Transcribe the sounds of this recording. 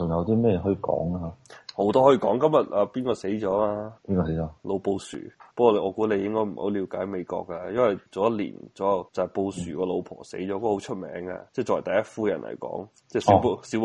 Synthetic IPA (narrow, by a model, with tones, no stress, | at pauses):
t͡sʊ˨˩ŋjɐ˨˧wt̪iː˥mɛː˥ɛ˨˩ɦɔ˧i˧kɔ̰ː˨˥ŋa˧ho˨˥wt̪ɔː˥hɔ˧˥i˧˩kɔ̰ː˨˥ŋkɐ˥mjɐ˨t̚ʔaː˧piː˥nkɔː˧se˨˥jt͡ʃɔː˨˥aː˧piː˥nkɔ˧se˨˦jɔː˨˧˦lo˨˧wpo˧wsy̰ː˨˩pə˥kwɔː˧ɔː˨˧kuː˧˥ne˨˧jɪ˥ŋkɔː˥jm̩˨˩ho˨˥wliː˨˧wkaː˨˥jme˨˧jkɔ̰ː˧k̚ːa˧jɐ˥nwɐ˨jt͡so˨wjɐ˥t̚lḭː˨˩nt͡sɔː˨˥hɐ˨˩wt͡sɐ˨hɐ˨˩po˧wsy̰ː˨˩kɔː˧lo˨˧wpʰɔ̰ː˨˩se˨˥jt͡sɔː˨˥kɔ˥˧˥ho˨˥wt͡ʃʰɵ˥t̚mɛ̰ː˨˥ŋɐ̰˧t͡sɛː˥˩t͡sɔː˨˩˨t̪ɐ˨jɐ˥t̚fuː˥jɐ˨˩nlʔɐ̰˨˩jkɔ̰ː˨˥ŋ | t͡sɛː˥˩si˨˧wsi˨˥